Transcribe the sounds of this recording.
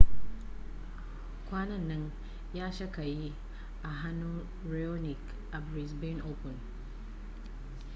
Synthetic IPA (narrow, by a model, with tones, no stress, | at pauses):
kʷaː˦nɐ˦˨nːɐ˦ɲ | jaː˦ʃɐ˦ka˨ji˦ | ʔa˨ɦa˦nːu˦ | ɾe˦o˦nɪ˨k | ʔa˨bɾi˨sbi˦nʔoː˦pʊ˨n